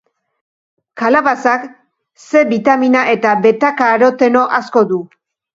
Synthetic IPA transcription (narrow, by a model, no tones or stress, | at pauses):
kalaβasak | se̞βit̪aminaʔe̞t̪aβe̞t̪akaːɾo̞t̪e̞no̞ʔasko̞ðu